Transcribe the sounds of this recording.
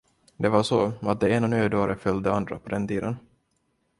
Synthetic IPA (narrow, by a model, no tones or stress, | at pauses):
d̪ɛvaʂoat̪̚d̪ɛeːnanøːd̪oːɾʔəfœld̪əand̪ɾa̰pʰɔd̪ɛnt̪iːd̪ən